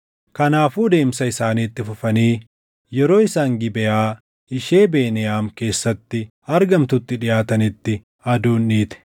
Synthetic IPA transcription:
kɐnaːfuːd̪e̞ːmsɐɪsaːniːt̪ːɪfʊfɐniː | jɛɾo̞ːɪsaːŋɡɪbɛʔaː | ɪʃeːbe̞ːnɛjaːmke̞ːsːɐt̪ːɪ | ɐɾɡɐmt̪ʊt̪ːɪᶑɪjaːt̪ɐnɪt̪ːɪ | ɐd̪uːnːiːt̪ɛ̥

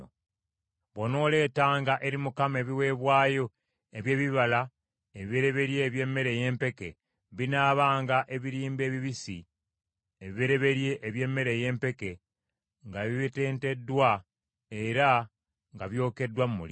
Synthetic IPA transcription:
βono̞ːle̞ːtaːŋɡaʔe̞ɾimukame̞βiwe̞ːβwaːjo̞ | eβje̞ːβiβala | eβiβeɾe̞βe̞ɾje̞βje̞ːmːe̞ɾe̞je̞ːmpe̞ke̞ | βinaːβaːŋɡaʔe̞βiɾiːmbe̞ːβiβisi | eβiβeɾe̞βe̞ɾje̞ʔːβje̞mːe̞ɾeje̞ːmpe̞ke̞ | ŋɡaβiβite̞ːnte̞dːwa | e̞ɾa | ŋɡaβjo̞ːke̞dwamːṵli

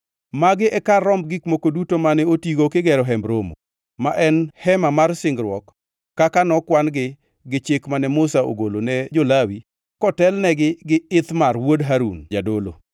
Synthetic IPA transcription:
maɡɪʔɛkarːɔmɡikmokodutomanɛotiɡokɪɡɛɾɔɦɛmbɾomo̰ | maʔɛnhɛmamarsɪŋɡɾwɔkː | akanɔkwanɡɪ | ɡɪt͡ʃɪkmanɛmʊsao̰ɡolonɛd͡ʒolawi | kɔtɛlnɛɡɪɡɪɪt̪marwodɦaɾṵnd͡ʒadolo̰

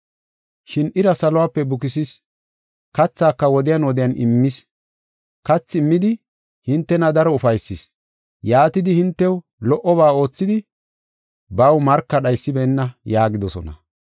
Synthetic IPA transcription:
ʃɪnɪɾɐsɐlɔwaːpːɛbʊkɪsɪs | kɐt͡sːaːkːɐwɔd̪ɪjanwɔd̪ɪjɐnɪmːɪs | kɐt͡sːɪmːɪd̪ɪ | hɪnt̪ːɛnɐd̪ɐɾɔʊfɐjsːɪs | jaːt̪ɪd̪ɪhɪnt̪ːɛw | lɔʔɔβaːo̞ːt͡sːɪd̪ɪ | bɐwmɐɾkːɐɗɐjsːɪbɛnːɐjaːɡɪd̪ɔsɔ̰nɐ̰

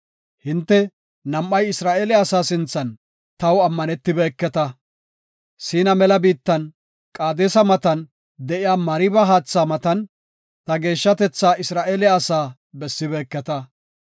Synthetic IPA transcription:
hɪnt̪ːɛ | nɐmːɐjɪsɾaːʔeːlɪːsaːsɪnt͡sːɐn | t̪ɐwɐmːɐnɛt̪ːɪbɛːkːɛt̪ɐ | siːnɐmɛlɐbiːt̪ːɐn | kʼaːd̪eːsɐmɐt̪ɐn | d̪ɛʔɪjaːmɐɾɪbɐɦaːt͡sːaːmɐt̪ɐn | t̪ɐɡe̞ːʃːɐt̪ɛt͡sːaːʔɪsɾaːʔeːlɪːsaː | bɛsːɪbɛːkːɛt̪ɐ

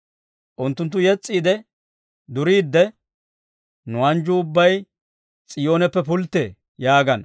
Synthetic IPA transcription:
ʔʊnt̪ːʊnt̪ːʊjɛt͡sʼːiːd̪ɛ | d̪ʊɾiːd̪ːɛ | nʊɐnd͡ʒʊʊbːɐj | t͡sʼɪjo̞ːnɛpːɛpʊlt̪ːḛː | jaːɡɐn

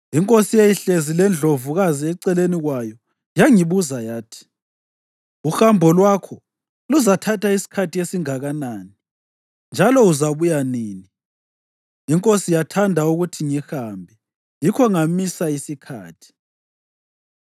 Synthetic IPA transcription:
iŋkʼosijejiɬezilɛnd͡ɮʱovuɣaziɛǀɛleniɣwajɔ | jaŋiβuzajaːtʰi̥ | uxambʱɔlwakʰɔ | luzatʰatʰaisi̥kʰatʰiesiŋaɣanaːni | nd͡ʒʱalɔuzaβujaniːni | iŋkʼosijatʰandʱauɣutʰiŋixambʱɛ | jikʰɔŋamisaisikʰa̰ːtʰi̥

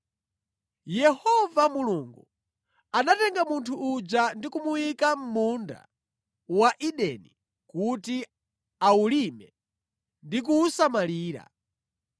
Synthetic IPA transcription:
jɛhɔvamuluŋɡu | anatɛŋɡamuntʰuːd͡ʒandikumuwikam̩munda̰ | waʔiɗɛ̰ni | kuti | aulimɛ | ndik̬uːsamaliːɾa̰

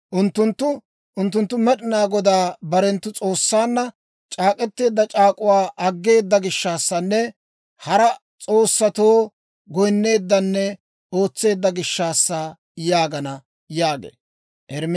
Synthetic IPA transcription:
ʔʊnt̪ːʊnt̪ːʊ | ʔʊnt̪ːʊnt̪ːʊmɛɗɪnaːɡɔd̪aːbɐɾɛnt̪ːʊt͡sʼo̞ːsːaːnːɐ | t͡ʃʼaːkʼɛt̪ːe̞ːd̪ːɐt͡ʃʼaːkʼʊwaːʔɐɡːe̞ːd̪ːɐɡɪʃːaːsːɐnːɛ | hɐɾɐ | t͡sʼo̞ːsːɐt̪oː | ɡɔjnːe̞ːd̪ːɐnːɛ | oːt͡sːe̞ːd̪ːɐɡɪʃːaːsːɐ | jaːɡɐnɐ | jaːɡḛː | ʔɛɾm

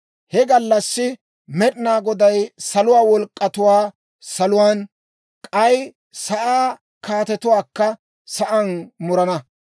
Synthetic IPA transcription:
hɛɡɐlːɐsːɪ | mɛɗɪnaːɡɔd̪ɐjsɐlʊwaːwɔlkʼːɐt̪ʊwaː | sɐlʊwaːn | kʼɐj | sɐʔaː | kaːt̪ɛt̪ʊwaːkːɐ | sɐʔɐnmʊɾɐnɐ

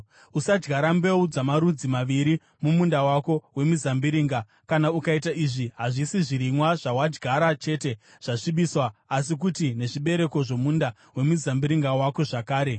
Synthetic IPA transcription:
usad͡ʒɡʱaɾambe̞ud͡zamaɾud͡zimaʋiɾi | mumundawako̞we̞muzambiɾiːŋɡa | kanaukaitaiʐiɦaʐisiʐiɾimwaʐawad͡ʒɡʱaɾat͡ʃe̞te̞ | ʐ̥aʂiɓiswaːs̬ik̬utine̞ʐiɓe̞ɾe̞ko̞ʐo̞munda | we̞muzambiɾiŋɡawako̞ʐakaːɾe̞

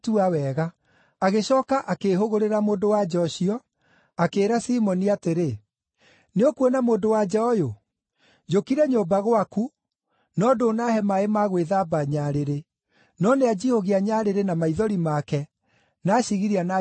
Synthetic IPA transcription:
tuawɛɣa | aɣeɕɔːkaʔakeɦoɣoɾeɾamoːdowad͡ʒɔʃiɔ | akeːɾasimɔniateɾe | neokwɛnamoːndowad͡ʒɛɔjo | d͡ʒokiɾɛɲobaɣwaku | nɔdoːnahɛmaemaɣweðabaɲaɾeɾe | nɔnead͡ʑihoɣiaɲaːɾeɾenamaiðɔɾimakɛ | naɕiɣiɾiana

